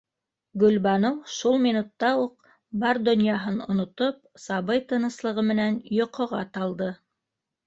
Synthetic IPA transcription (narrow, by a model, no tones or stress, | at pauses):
ɡɵ̆lbɑnowʃulˠminut̪ːɑuq | bɑɾd̪ɵ̆njɑɦɤnŏ̰nŏt̪op̚sɑβɤjt̪ɤ̆nɤ̆slˠɤ̆ʁɤmɘ̆nænjŏqʰŏʁɑt̪ɑlˠd̪ɤ